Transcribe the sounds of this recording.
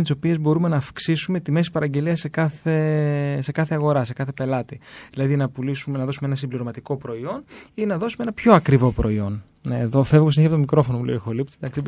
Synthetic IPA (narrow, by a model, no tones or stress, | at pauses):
t̪iso̞pie̞zbo̞ɾumenɐːfksisume̞t̪ime̞si̥pɐɾɐɲɟe̞liɐse̞kɐθe̞se̞kɐθe̞ɐɣo̞ɾɐse̞kɐθe̞pe̞lɐt̪iðilɐðinɐpulisumenɐðo̞sumeenɐsimbliɾo̞mɐt̪iko̞pɾo̞io̞ninɐðo̞sumeenɐpço̞ɐkɾivo̞pɾo̞̰io̞n | nːðofe̞vɣos̬ineçɐp̬ot̪omikɾo̞fo̞nomulḛoxolipt̪id̪ɐksi